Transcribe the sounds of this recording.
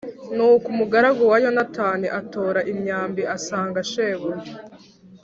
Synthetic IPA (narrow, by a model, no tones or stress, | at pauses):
nuːkumuɡaɾaɡowajo̞nataːniʔato̞ːɾaʔimɲaːmbiʔasaːŋɡaʃeβuɾi